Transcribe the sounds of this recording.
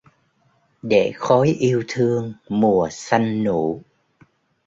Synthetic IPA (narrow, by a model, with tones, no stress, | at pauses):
ɗe˧˩xɔ˨˦jʔi˧əwt̪ʰɨ˧əŋmu˨˩əsa˧jŋ̟nu˧˩˨